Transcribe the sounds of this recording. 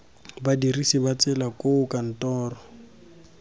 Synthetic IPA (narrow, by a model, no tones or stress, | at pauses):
badirisibat͡sʼɛlakʼoʊkan̩tɔːrɔ